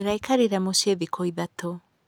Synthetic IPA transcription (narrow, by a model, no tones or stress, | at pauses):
ɾajkʰaɾiɾamoseðikʰoiðat̪ɔ